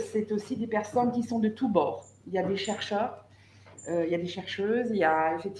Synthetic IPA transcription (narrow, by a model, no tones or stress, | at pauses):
sɛt̪osid̪epɛʁsɔnkʲisɔ̃d̪ət̪ubɔːʁ | iljad̪eʃɛʁʃœːʁ | øiljad̪eʃɛʁʃøziljaefɛk̚t̪